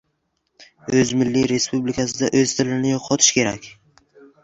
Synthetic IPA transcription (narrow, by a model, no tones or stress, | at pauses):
ɵzmɪlːiɾe̞spublɪkʰʲas̬ɪd̪aʔɵzt̪ʰɪlɪnɪjoqʰɒt̪ʰɪ̥ʃkʲʰe̞ɾa̰kʲ